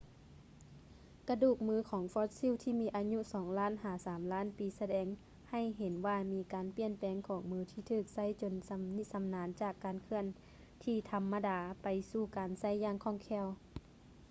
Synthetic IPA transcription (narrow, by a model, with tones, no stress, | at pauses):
ka˧duː˧˩k̚mɯː˧kʰɔː˩˦ŋfɔː˧˥t̪̚si˧˥˨wt̪ʰiː˧˩miː˧ʔaː˧ɲu˧˥sɔː˩˦ŋlaː˧˥˨nhaː˩˦saː˩˦mlaː˧˥˨npiː˨˦sa˧dɛː˨˧ŋ | ha˧˩jɦe˨˦nʋaː˧miː˧˥kaː˨npi˧˨ənpɛː˨˧ŋkʰɔː˩˦ŋmɯː˧t̪ʰiː˧t̪ʰɯː˧˩k̚sa˧˥˨jt͡ɕo˧˨nsa˧ni˧sa˨˧˦mnaː˨˦nt͡ɕaː˧˨˩kːaː˨nkʰɯ˧˩ən | t̪ʰiː˧t̪ʰa˧mːa˧daː˨˧pa˨jsuː˧˩kaː˨nsa˧˥˨jːaː˧˨ŋkʰɔː˧˩˨ŋkʰɛː˧˩˨w